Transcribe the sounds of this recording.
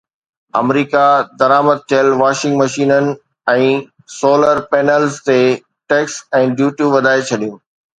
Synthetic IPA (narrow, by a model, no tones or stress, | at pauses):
ɐ̰mɾiːkad̪ɐɾaːməd̪̚t̪ʰijəlʋaːʃɪ̃ŋɡmɐʃiːnənɪ̆ | ɛ̃ː | soːləɾpeːnəlzt̪e | ʈeːksɛ̃ːɖjuːʈjuʋɐd̪ʱaːet͡ɕʰɐɗijũː